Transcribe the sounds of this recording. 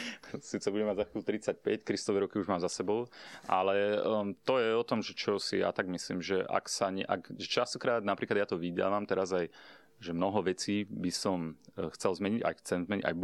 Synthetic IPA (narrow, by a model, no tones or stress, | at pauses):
siːt͡sɛbuɟɛmaɟzakuːt̪ɾit͡sac̚pɛckɾist̪ɔʋɛɾɔkiuʒmaːmzasɛbɔʊʔalɛt̪ɔjɛɔt̪ɔmʒɛt͡ʃɔsija̰t̪aɡmislḭːmʒɛʔa̰ksaɲɛ̰ʔa̰kʒɛt͡ʃast̪ɔkɾaːd̪̚napɾʔiːklad̪jat̪ɔʋid̪a̰ːʋamt̪ɛɾazaj | ʒɛmnɔɦɔʋɛt͡siːbisɔmxt͡sɛlzmɛɲiɟa̰jxt͡sɛmzmɛɲiɟa̰j